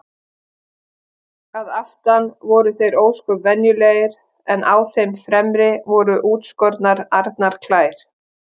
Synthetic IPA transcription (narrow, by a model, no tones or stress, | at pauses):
aðaft̪anvɔɾʏθejɾoːwskʏɾvɛnjʏleːɣɪɾ | ɛnʔaːwθejmfɾɛmɾɪvɔɾʏʔuːt̪skɔɾt̪naɾaɾt̪naɾ̥kʰlaːjɾ̥